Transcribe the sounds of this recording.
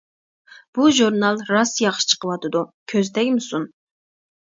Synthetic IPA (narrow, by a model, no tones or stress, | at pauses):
b̥uʒuɾnɑlˠɾɑsjɑχʃɨ̥t͡ʃʰə̥qəwɑt̪ɨd̪ukʲʰøzd̪ɛkʲmɨsun